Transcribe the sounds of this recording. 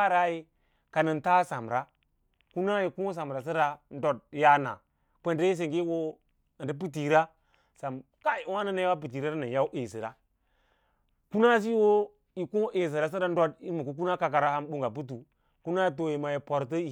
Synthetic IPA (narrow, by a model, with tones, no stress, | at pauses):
a˦ɾa˦ji˦ | ka˨nə˨nta˦sa˨mɾa˦ | ku˦na˦ji˨ku˦s̬a˨m˨ɾa˨s̬i˦ɾa˦n˦do˦˨d̚ja˦na̰˨ | kʷe˦˨nde˦i˦s̬e˨ŋɡe˦wo˦˨ | ɾi˦p̬i˦ti˨ɾa˦ | sa˨m | ka˦i˨˦wa˦na˦na˦ja˦a˦p̬i˨t̬i˨ɾa˦ɾa˦na˨ja˦wʔe˨si˨ɾa˦ | ku˦na˦s̬i˦wo˦ | i˨ku˦ʔe˨s̬i˨ɾa˨s̬i˦ɾa˦n˦do˦di˦ɾmu˨ku˦k̬u˦na˦ka˨k̬a˨ɾa˦ha˦mɓu˦ŋɡa˨p̬u˦t̬u˨ | ku˦na˦t̬o˨ji˨ma˨ji˨po˨ɾt̬ə˦˨